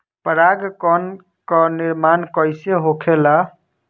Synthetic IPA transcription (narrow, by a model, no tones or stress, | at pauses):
pəɾaɡkɔn | kɔniɾmankəɪseɦokʰela